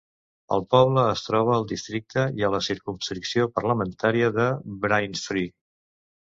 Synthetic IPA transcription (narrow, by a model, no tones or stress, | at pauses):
ə̰lˠpɔβləːst̪ɾɔβ̞əːlˠd̪ist̪ɾik̚t̪əiələsiɾkumskɾiksiopərləmənt̪aɾiəðəbɾajnfɾi